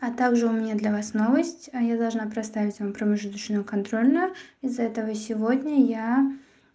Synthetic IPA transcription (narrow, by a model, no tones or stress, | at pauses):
ɐt̪aɡʐɨʊmʲɪnʲad̪lʲɐvasno̞vəsʲtʲjad̪ɐlˠʐnapɾʲɪst̪avʲɪtʲvampɾəmʲɪʐɨt̪ɨɕnɨjʊkɐnt̪ɾo̞lʲnʊjʊɪzːɐɛt̪əvəsʲɪvo̞dʲnʲəja